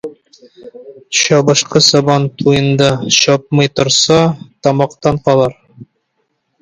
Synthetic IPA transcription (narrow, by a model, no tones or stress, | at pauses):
ɕɒbɤ̆ʃqɤsɒbɑnt̪ʰujɤ̆nd̪ɑɕɒp̚mɤjt̪ŏɾsɑt̪ɒmɑqt̪ɑɴqɒlˠɑɾ